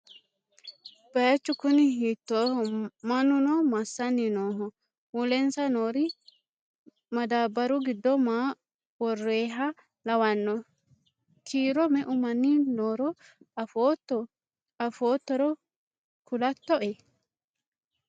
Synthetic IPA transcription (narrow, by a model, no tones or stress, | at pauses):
b̥ɐjɐt͡ʃːʊkʊnɪɦiːt̪ːoːhɔmɐnʊnɔmɐsːɐnːɪnoːɦɔ | wulɛnsɐnoːɾɪ | mɐd̪aːbːɐɾʊɡɪd̪ːɔmaː | wɔrːeːɦɐ | lɐwɐnːɔ | kʰiːɾɔmɛʔʊmɐnːɪnoːɾɔ | fot̪ːɔ | ɐfoːt̪ːɔɾɔ | kʰʊlɐt̪ːɔʔɛ